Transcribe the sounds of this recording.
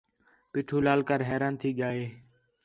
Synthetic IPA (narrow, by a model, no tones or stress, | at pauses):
piːʈʰuːlaːlkəɾɦɛːɾaːnt̪ʰiːɠaːeː